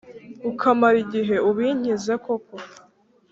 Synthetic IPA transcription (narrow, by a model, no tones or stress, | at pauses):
ukʰamaɾiɟiɦe̞uβiːɲ̥ize̞ko̞ko